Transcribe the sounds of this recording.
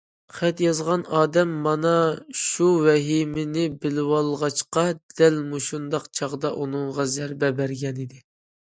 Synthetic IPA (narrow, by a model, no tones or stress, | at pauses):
χæt̪jɑzʁɑnɑːd̪ɛmːɑnɑʃuwɛɦimɪnɪbɪlɪwɑlˠʁɑt͡ʃqɑd̪̥ɛlmuʃund̪ɑqt͡ʃʰɑʁd̪ɑʔunɨŋʁɑzæɾbɛbæɾɡʲɛnid̪ɪ